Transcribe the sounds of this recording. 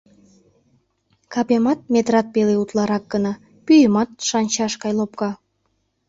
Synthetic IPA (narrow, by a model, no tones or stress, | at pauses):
kɑpemɑt̪̚mʲet̪rɑt̪̚peleut̪lˠɑɾɑk̚ɡənɑ | pyjəmɑt̪̚ʃɑnʲt͡ɕɑʃkɑjlop̚kɑ